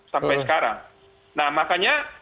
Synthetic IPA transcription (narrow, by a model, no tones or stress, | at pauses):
t̪ampaʃkaɾa̰ | namakaɲa